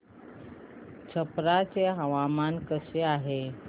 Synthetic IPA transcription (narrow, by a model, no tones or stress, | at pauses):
t͡ɕʰəpɾat͡seɦəʋamankəseaɦe